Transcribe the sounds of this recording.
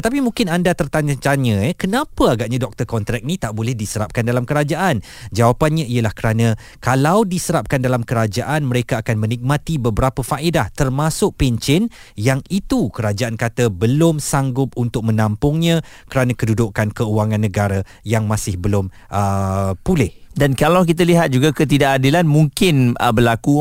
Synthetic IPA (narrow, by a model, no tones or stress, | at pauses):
ət̪ap̬imũŋkɪnandat̪ərt̪aɲət̪aɲə̃ɛkənãpəaɡaʔɲãdɔk̚t̪ərkɔnt̪ɾɛk̚nit̪aʔbolɛhdisəɾap̚kandalamkəɾad͡ʒaʔan | d͡ʒawapanɲãijəlahkəɾanã | kalawdisəɾap̚kandalamkəɾad͡ʒaʔanməɾekaːkanmə̃nik̚mãt̪ibəbəɾapəfaʔidaht̪ərmasʊʔ̚pɛɲt͡ʃɪn | jaŋit̪ukəɾad͡ʒaʔankat̪əbəlʊmsaŋɡʊp̚unt̪ʊk̚mə̃nãmpʊŋɲã | kəɾanãkədudʊʔkankəuaŋãnːə̃ɡaɾa | jaŋmãsɪhbəlʊm | ʔəpulɪhdankalawk̬it̪̬aliɦat̪̚d͡ʒuɡakət̪̬idaʔadilanmuŋkɪnəbəlaku